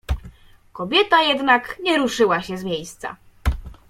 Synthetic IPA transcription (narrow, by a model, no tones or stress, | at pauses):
kɔbʲjɛt̪ajɛd̪nakɲɛɾuʂɘwaɕɛzmʲjejst̪sa̰